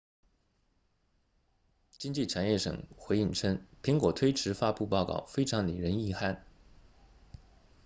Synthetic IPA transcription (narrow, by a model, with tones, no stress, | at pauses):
t͡ɕi˥ŋt͡ɕi˥˩ʈ͡ʂʰa˨˩njɛ˥˩ʂɤ̰˨˩ŋxwe˧˥ɪi˥˩ŋʈ͡ʂʰɤ˥ŋpʰi˧˥ŋkwɔ˨˩t̪ʰwe˥ɪʈ͡ʂʰɻ̩˧˥fa˥pu˥˧pɑ˥˧ʊkɑ̰˥˩ʊfe˥ɪʈ͡ʂʰɑ˧˥ŋli˨˩ɻə˧˥ni˥˧xa˥˩n